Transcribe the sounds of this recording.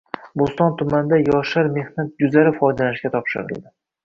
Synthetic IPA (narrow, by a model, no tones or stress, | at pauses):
bost̪ɒnt̪ʰʊmand̪ajɒʃaɾme̞hnat̪̚jʊzaɾɪfɒjd̪alanɪʃkʲat̪ʰɒpʃɪ̰ɾɪ̰lˠd̪ɪ